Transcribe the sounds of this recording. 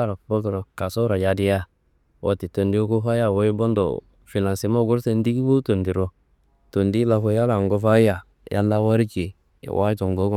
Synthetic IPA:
a˦ɾo˨bo˦to˨ɾo˨ka˨so˦ɾa˨ja˨di˦ja˦ | o̰˨ti˨to˨ndi˦o˦ko˦fa˦ja˨wo˦i˦bo˦ndo̰˨ | fi˨na˨nsi˨˦mo˦ɡu˦ɾse˦n˦di˦ɡi˦wo˦to˨ndi˨ɾo˦ | to˨ndi˦la˨fo˧˦ja˦la˨ŋɡo˧fa˦a˨ | ja̰˦nda˦wa˦ɾi˦t͡ʃḭ˨ | wʔa˦to˨ŋ˨ɡo˦ɡ

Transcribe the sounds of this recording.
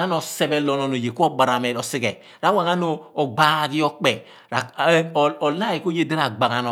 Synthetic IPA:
a˦n˦o˨sɛ˦bɛ˦lo˨no˨no˨je˨ku˦o˦ba˨ɾa˨me˨o˨si˦ɡɛ˨ | ɾa˦wa˨ŋa˦noː˨ɡ͡ba˦ɡi˦o˦k͡pɛ˨ | ɾa˨˦˨ | o˨la˦i˨ko˦je˦de˦ɾa˨ɡ͡ba˨ɡa˨no˨

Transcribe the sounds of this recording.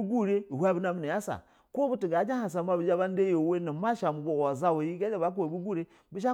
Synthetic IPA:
ɡu˦ɾe˦i˨hʷa˦bi˦na˦mi˨ni˨ja˦sa̰˨ | ko˦bu˦ti˨ɡa˨˦d͡ʒa˦ha˨s̬a˨ma˦bi˨˦d͡ʒa˦ba˦n˦de˦jo˨we˦na˨ma˦ʃa˨mu˨bo˨wa˨za˦wo˨ji˦ɡa˦d͡ʒa˦ba˦k̬o˨bu˦ɡu˦ɾe˦ | bu˦ʃa˦

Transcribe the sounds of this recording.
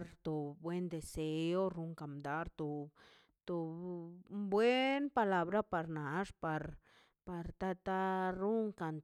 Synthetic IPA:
ɾt̪o˨bwe˦nd̪e˨se˧˦o˦ɾu˧ŋka˨md̪a˦ɾt̪o˨ | t̪o˨˧ | bwe˦npa˧la˧bɾa˦pa˨ɾna˨ʂpa˧ɾ | pa˨ɾt̪a˦t̪a˦ɾu˦ŋka˨nt̪

